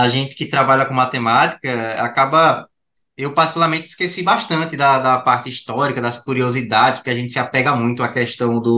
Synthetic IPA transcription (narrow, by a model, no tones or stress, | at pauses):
aʒẽnt̪ɪ̥kɪt̪ɾabaʎɐkõmat̪emat̪i̥kɐa̰kabɐ | ewpaɾt̪ikulˠaɾmẽnt̪ɪiskesibaʃt̪ɐ̃nt̪ɪd̪ɐd̪ɐpaɾt̪ɪiʃt̪ɔɾikɐd̪ɐskuɾiozid̪ad̪ɪspʊ̥keaʒẽnt̪ɪsɪapɛɡɐmũj̃t̪ʊɐkɛʃt̪ɐ̃w̃d̪ʊ